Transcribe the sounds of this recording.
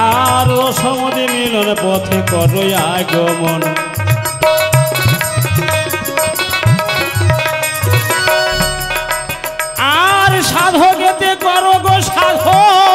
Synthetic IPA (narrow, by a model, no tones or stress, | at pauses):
aɾosɔmɔd̪imilɔnepɔt̪ʰekɔʈojajɡɔmɔn | aɾʃad̪ʱoɡet̪ekɔɾoɡoʃad̪ʱo